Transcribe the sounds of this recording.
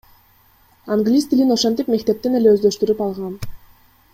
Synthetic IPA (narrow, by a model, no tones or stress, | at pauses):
aŋɡlʲist̪ilino̞ʃent̪ipme̞kt̪e̞p̚t̪ene̞le̞øzd̪øʃt̪yɾypɑlˠʁɑn